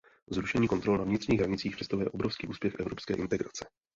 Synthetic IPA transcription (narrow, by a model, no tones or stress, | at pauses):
zɾuʃɛɲiːko̞nt̪ɾolnavɲɪt̪r̥ɲiːɣɦɾaɲɪtt͡siːxprɛst̪aɦujɛʔobɾofskiːʔuːspʲjɛxʔɛvɾopskɛ̰ːʔɪnt̪ɛɡɾa̰t͡sɛ̥